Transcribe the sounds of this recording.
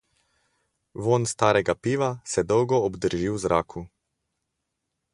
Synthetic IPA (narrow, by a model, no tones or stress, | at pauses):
ʋoːnst̪aːɾɛɡapiːʋasɛd̪ɔwɡɔɔbd̪əɾʒiwzɾʔaːkʰu